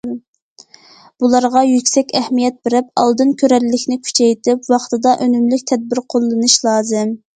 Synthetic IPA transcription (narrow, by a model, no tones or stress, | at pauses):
b̥ulˠɑɾʁɑjykʲsɛkʲɛhmijɛt̪̚bɪɾɪp̚ɑ̰lˠd̪ɨnkʲʰøɾɛllːɪkʲnɪkʲʰy̥t͡ʃʰɛjt̪ɪpwɑχt̪ɨd̪ɑʔønymlykʲt̪ʰɛd̪̚bɪɾqʰolˠːɨnɨʃlˠɑːzɨm